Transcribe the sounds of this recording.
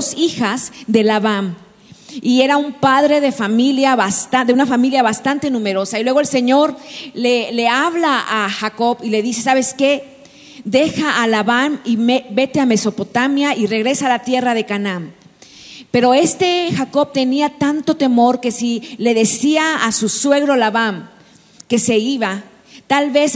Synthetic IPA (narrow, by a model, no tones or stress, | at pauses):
sixazðe̞laβam | ie̞ɾaumpaðɾe̞ðefamiljaβast̪ad̪eunafamiljaβast̪ant̪e̞nũme̞ɾo̞sailwe̞ɣoe̞lse̞ɲo̞ɾleleaβlaaxako̞βile̞ðise̞saβe̞ske | d̪e̞xaːlaβamimebe̞t̪eame̞so̞pot̪amjaire̞ɣɾe̞saːlat̪je̞rað̞e̞kanãm | pe̞ɾo̞e̞st̪e̞xako̞βt̪e̞niat̪ant̪o̞t̪e̞mo̞ɾke̞sile̞ðesiaːsuswe̞ɣɾolaβam | ke̞se̞iβa | t̪alβes